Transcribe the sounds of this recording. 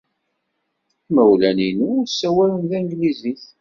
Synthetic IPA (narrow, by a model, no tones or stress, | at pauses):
kmæwlæninusːæwælənðæŋɡliziθ